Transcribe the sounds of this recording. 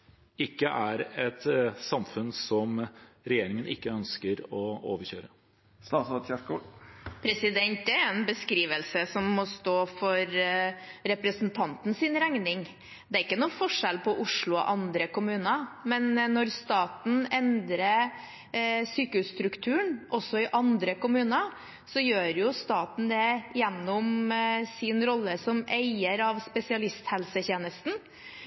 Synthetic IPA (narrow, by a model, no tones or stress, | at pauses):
ɪkːəʔæɾɛt̪sɑmfʉnsɔmɾɛjeːɾɪŋənɪkːəœnskəɾɔo̰ːʋəɾɕøːɾə | st̪ɑːsɔt̪çɛkupʰɾɛsɪd̪ɛnt̪̚d̪ɛæɾɾɛnbəskɾiːʋəlsəsɔmːɔst̪oːfɔɾ | ɾɛpɾəsnt̪ʰɑnt̪n̩sɪnɾæŋnɪŋ | d̪ɛæɾɪkːənuːfɔʂɛlpʰɔʔʊʂɭʊɔ̰ʔɑnd̪ɾəkʊmʉːnəmɛnːɔɾst̪ɑːt̪n̩ɛnd̪ɾə | syːkəhʉst̪ɾʉkt̪ʰʉːəɳʔɔsːɔɪʔɑnd̪ɾəkʊmʉːnə | sɔjøːɾjʊst̪ɑːt̪n̩d̪ɛjɛnːɔmsɪnɾɔlːəsɔmeɪəɾɑʋspɛsɪɑlɪst̪hɛlsəçeːnəst̪n̩